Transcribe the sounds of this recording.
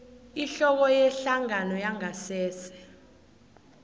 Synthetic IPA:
iɬɔk̬ɔjɛɬaŋanɔjaŋasɛːsɛ̥

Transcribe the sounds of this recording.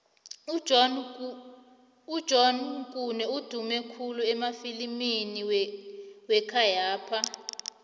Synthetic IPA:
u̥ʒ̥ʱɔnkʼunɛud̥ʱumɛkʰuluɛmafilimini | wɛkʰajaːpʰa

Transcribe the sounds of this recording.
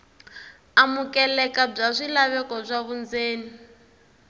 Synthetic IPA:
amukɛlɛkab͡ʐaʂʷilaβɛkɔb͡ʐaβund͡zeːni

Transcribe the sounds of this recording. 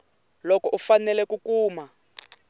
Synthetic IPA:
lɔkɔʔufanɛlɛkukuːma

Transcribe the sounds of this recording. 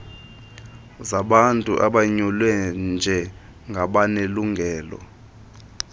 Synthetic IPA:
zaɓantʼuʔaɓaɲulwɛnd͡ʒʱɛ | ŋɡʱaɓaneluŋɡʱɛːlɔ̰

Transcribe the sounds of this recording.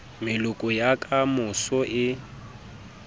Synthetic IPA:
mɪlʊkʼʊjakʼamʊsɔʔɪ

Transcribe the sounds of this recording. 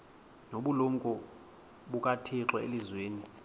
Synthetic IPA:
noɓuluŋkʼɔ | ɓukʼatʰiǁwɛelizweːni

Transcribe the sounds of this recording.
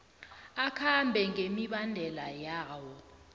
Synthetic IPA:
akʰambʱɛŋemiɓandʱɛlajaːwɔ

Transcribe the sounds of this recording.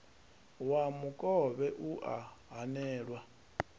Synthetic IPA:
wamukʼɔβɛʔuʔaɦanɛːɺwa

